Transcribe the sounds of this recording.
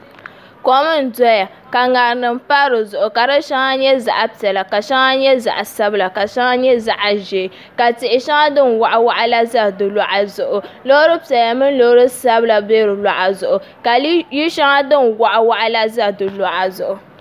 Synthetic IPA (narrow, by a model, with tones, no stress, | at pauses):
ko˦mɨ˦n̩˨dɔ˦ja˨ | ka˨ŋa˨ɾnɨ˨m̩˦pa˦ɾɨ˨zʊ˨ʔʊ˨ka˨ɾɨ˦ʃa˦ŋa˦ɲɛ˦za̰˨ʔa˦pi˨ɛ˨la˨ka˨ʃa˦ŋa˦ɲɛ˦za̰˨ʔa˨sa˦bɨ˨la˨ka˨ʃa˦ŋa˦ɲɛ˦za˨ʔa˨ʒe˨ | ka˨tɪ˨ʔɪ˨ʃa˦ŋa˦dɨ˦nwa˨ʔa˦wa˦ʔa˦la˦za˦dɨ˨la˦˨ʔa˨zʊ˨ʔʊ˨lo˦ɾɨ˦pi˨ɛ˨la˨mɨ˦n˦lo˨˦ɾɨ˦sa˦bɨ˦la˨beː˦ɾɨ˨la˨ʔa˨zʊ˨ʔʊ˨ | ka˨ji˦ʃa˦ŋa˦dɨ˦nwa˨ʔa˦wa˦ʔa˦la˦za˦dɨ˨la˨ʔa˨zʊ˨ʔʊ˨